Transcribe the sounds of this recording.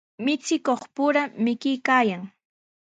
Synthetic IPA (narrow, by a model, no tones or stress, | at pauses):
mɪt͡sɪkoχpʊɾamɪkɪjkaːjaŋ